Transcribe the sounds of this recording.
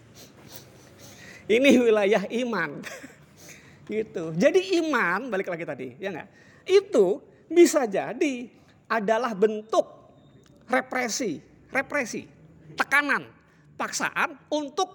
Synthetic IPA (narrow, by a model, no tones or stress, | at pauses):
iniwilajaɦiman | ɡit̪ud͡ʒadiimanbalɪklaɡit̪adḭjaŋɡa̰ʔ | it̪u | bisad͡ʒadi | adalahbənt̪ʊk̚ | repɾesi | repɾesḭt̪əkanan | paksa̰ʔanunt̪ʊk̚